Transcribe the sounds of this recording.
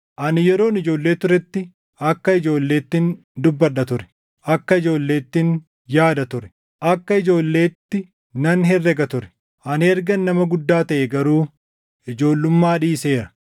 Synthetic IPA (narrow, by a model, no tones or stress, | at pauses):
ʔɐnjɛɾo̞ːnɪd͡ʒo̞ːlːe̞ːt̪ʊɾɛt̪ːɪ | ɐkːɐɪd͡ʒo̞ːlːe̞ːt̪ːɪn | d̪ʊbːɐᶑɐt̪ʊɾɛ̥ | ʔɐkːɐɪd͡ʒo̞ːlːe̞ːt̪ːɪn | jaːd̪ɐt̪ʊɾɛ̥ | ʔɐkːɐɪd͡ʒo̞ːlːe̞ːt̪ːɪ | nɐnɦɛrːɛɡɐt̪ʊɾɛ̥ | ʔɐnɛɾɡɐnːɐmɐɡʊd̪ːaːt̪ɐʔɛɡɐɾuː | ɪd͡ʒo̞ːlːʊmːaːᶑiːse̞ːɾɐ̥